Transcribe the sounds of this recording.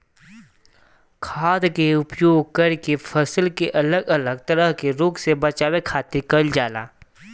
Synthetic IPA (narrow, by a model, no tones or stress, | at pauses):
kʰaːd̪keʊpjoːɡ̚kɐɾkepʰəsəlkeʔɐləɡələɡ̚t̪ɐɾəɦkeɾʊːksebɐt͡ʃaːwekʰaːt̪ɪɾkɐld͡ʒaːla̰ː